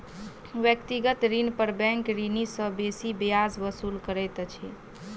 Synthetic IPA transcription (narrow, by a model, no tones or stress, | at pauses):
ʋjək̚t̪iɡət̪ɾinpəɾbɛ̃ŋkɾinisə̃besibijasbəsulkəɾɛjt̪t͡ʃʰi